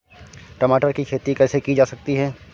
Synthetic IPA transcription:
ʈɐmaːʈəɾkikʰeːt̪ikɛːsekid͡ʒaːsɐk̚t̪iɦɛː

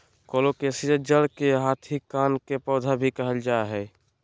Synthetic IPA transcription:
koːlokesiɾəd͡ʒəlkeɦaːt̪ʰikaːnkepɔːd̪ʱabʱikəɦəld͡ʒaeɦɛ

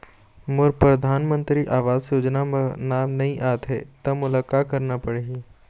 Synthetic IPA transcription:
mʊɾpɾɐd̪ʱaːnmə̃nt̪ɾiʔaːʋaːzjoːd͡ʒnanaːmnɐɦĩʔaːt̪ɦet̪ɐmʊlaːkːaːt̚kɐɾnapɐɽeɦi

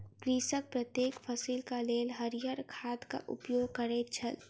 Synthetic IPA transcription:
kɾiːsək̚pɾət̪jeːkpʰəsiːlkaleːlɦəɾijəɾkʰaːd̪ka̰ʔʊ̰pjoːɡ̚kəɾet͡ʃʰəl

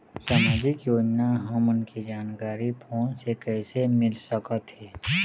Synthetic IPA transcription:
saːmaːd͡ʒɪkjoːd͡ʒnaɦə̃mʊnkid͡ʒaːnkaːɾipʰõːsekɛːsemɪlsəkət̪ɦɛː

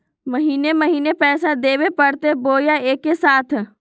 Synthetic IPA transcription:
məɦiːneməɦiːnepɛːsad̪eːwepɐɽt̪eboːjaeːkːesaːt̪ʰ

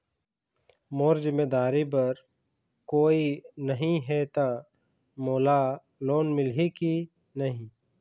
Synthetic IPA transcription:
moːɾzɪmeːd̪aːɾibɐɾ | koːinɐɦĩɦɛt̪a | moːla | loːnmɪlɦiki | nɐɦĩ

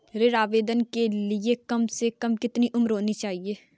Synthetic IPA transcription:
ɾeɾaːʋeːd̪ənkelɪekəmsekəmkɪt̪niʔʊmɾɦoːnit͡ʃaːɦieː

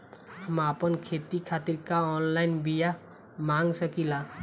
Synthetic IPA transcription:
ɦəmapənkʰeːt̪ikʰaːt̪iɾkaɔːnlaɪnbija | mãŋɡsəkila

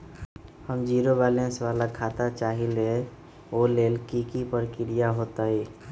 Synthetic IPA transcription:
həmd͡ʒiːɾobaːlẽnswaːlakʰaːt̪at͡ʃaːɦile | oːleːlkikipəɾkɪɾijaɦoːt̪aɦiː

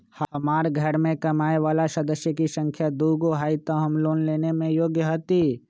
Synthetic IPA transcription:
hmaːɾɡʱɐɾmẽkɐmaːeʋaːlasɐd̪əsjəkisə̃ŋkʰjad̪uːɡoɦaːit̪aɦɐmloːnleːnemẽjoːɡjəɦot̪i

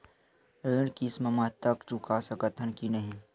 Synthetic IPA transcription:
ɾeːɽ̃kisməmət̪ːəkt͡ʃukasəkət̪ʰːənkinəɦĩ

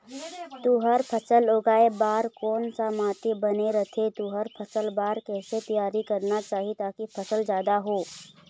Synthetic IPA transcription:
t̪uːɦəɾpʰəsəloːɡaːebaːɾkɔːnsamaːt̪ibəneɾət̪ʰet̪uːɦəɾpʰəsəlbaːɾkɛːset̪ijaːɾikɐɾnat͡ʃaːɦit̪aːkipʰəsəld͡ʒjaːd̪aɦoː

